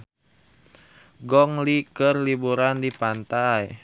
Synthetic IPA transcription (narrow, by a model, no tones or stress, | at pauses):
ɡɔŋlikərlibuɾandipant̪aj